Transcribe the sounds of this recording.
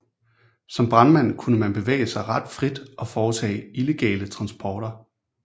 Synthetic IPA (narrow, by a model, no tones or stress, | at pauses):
sɒ̽mb̥ʁɑ̈nmæn̰kʰunəmænb̥e̝ʋḛɪəsɑ̈ɪʁɑ̈d̥fʁid̥ʔɒ̽fɒːt͡sʰɛ̰ːile̝ɡ̥ɛ̰ːlət͡sʰʁɑ̈nsb̥ʰɒːɾ̥ɐ